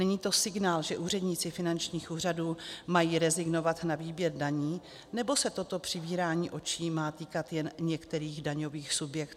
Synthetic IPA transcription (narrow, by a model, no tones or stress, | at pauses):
nɛɲiːt̪o̞sɪɡnaːlʒɛʔuːrɛdɲɪt͡sɪfɪnant͡ʃɲiːxʔuːr̝aduːmajiːɾɛzɪɡno̞vat̪naviːbjɛɾdaɲiː | nɛbo̞sɛt̪o̞t̪o̞pr̝̥ɪbiːɾaːɲiːʔo̞t͡ʃiːmaːt̪iːkat̪jɛnɲɛkt̪ɛɾiːɣdaɲo̞viːxsubjɛkt̪ː